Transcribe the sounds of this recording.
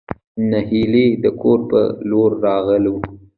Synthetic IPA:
nahiled̪əkʰoɾpə̰loɾːɑɣəle

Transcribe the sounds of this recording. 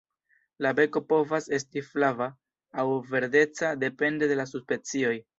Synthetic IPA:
labe̞ko̞po̞vase̞stiflavaː | wve̞ɾde̞t͡sade̞pe̞nde̞de̞lasuspe̞t͡sio̞j

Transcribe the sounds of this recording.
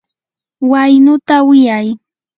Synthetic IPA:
wajnʊt̪awɪjaj

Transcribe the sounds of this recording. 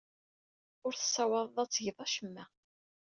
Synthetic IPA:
ʊɾθə̥sːɑwɑðˤðˤɑt͡sːʝəðˤɑʃəmːæ

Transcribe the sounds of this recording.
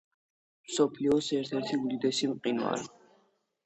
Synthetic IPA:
msɔpʰliɔsɛɾt̪ʰɛɾt̪ʰiud̪id̪ɛsimqʼinwa̰ɾi

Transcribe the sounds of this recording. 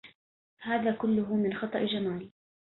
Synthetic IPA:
haːðaːkʊlːʊɦʊmɪnxɑt̪ˤɑʔd͡ʒamaːl

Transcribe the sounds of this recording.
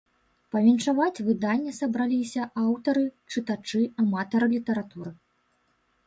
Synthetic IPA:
pɐvʲinʂavat͡sʲvɨd̪anʲːɛsɐbɾalʲisʲɐʔawt̪ɐɾɨt͡ʂɨt̪at͡ʂɨamat̪ɐɾɨlʲit̪ɐɾat̪uɾɨ

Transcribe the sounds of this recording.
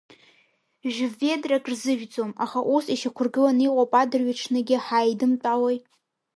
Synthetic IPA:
ʒᶣve̞drakʼrzɨʒᶣd͡zomaχaʔusiʃakʷʰʊrɡɨlaniqʷʼopʼadɨrɥɪʈ͡ʂʰnɨɡʲɪħajdɨmt͡pʼawej

